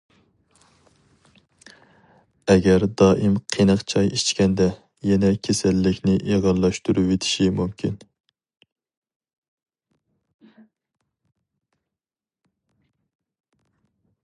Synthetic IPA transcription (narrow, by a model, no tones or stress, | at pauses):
ɛɡʲɛɾd̪ɑːʔimqʰenɨqt͡ʃʰɑjʔit͡ʃkʲɛnd̪ɛ | jɛnɛkʲʰesælːɪkʲnɪʔeʁɑnlˠɑʃt̪uɾuet̪ʰɪ̥ʃimumkʲʰin